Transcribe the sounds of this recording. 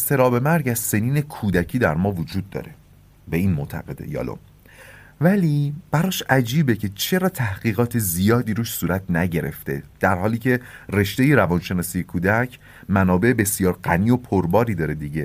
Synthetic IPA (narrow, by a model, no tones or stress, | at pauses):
st̪e̞ɾɒːbe̞mæɾɟæz̥se̞niːnekʰuːd̪æcʰiːd̪æɾmɒːvod͡ʒuːd̪̚ːɒ̰ːɾe̞ | be̞iːnmoʔt̪ʰæ̰ɣe̞d̪ḛjɒ̰ːlo̰m | væliːb̥æɾɒːʃæd͡ʒiːbecʰe̞t͡ʃʰe̞ɾɒːt̪ʰæhɢ̥iːɣɒːt̪ʰezijɒːd̪iːɾuːʃsuːɾæt̪ʰnæɟe̞ɾe̞̰ft̪e̞̰d̪̥æɾhɒːliːcʰe̞re̞ʃt̪e̞jeɾævɒnʃe̞nɒːsiːjekʰuːd̪æcʰ | mænɒːbe̞ʔebe̞sijɒːɾɢæniːo̞pʰoɾbɒːɾiːd̪ɒːɾe̞d̪iɟe